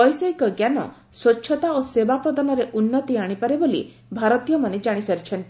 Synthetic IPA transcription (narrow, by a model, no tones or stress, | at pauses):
ɔjsɔekɔɡjanɔ̰ | swɔtːʃʰɔt̪aosebapɾɔd̪anɔɾeʔunːɔt̪iaɽ̃ipaɾebolḭ | bʱaɾɔt̪ijɔmaned͡ʒaɽ̃isaɾit͡ʃʰɔnt̪i